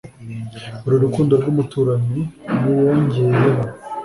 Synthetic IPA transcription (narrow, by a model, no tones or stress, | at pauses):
uɾuɾukuːndoɾɡumutuɾaɲinuwonzuːjeɦa